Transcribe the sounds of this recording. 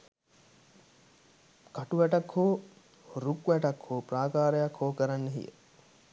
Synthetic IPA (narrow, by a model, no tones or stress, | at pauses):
kaʈuʋæʈakhoː | ɾukʋæʈakhoːpraːkaːɾəjakhoːkəɾanːəɦḭjə̰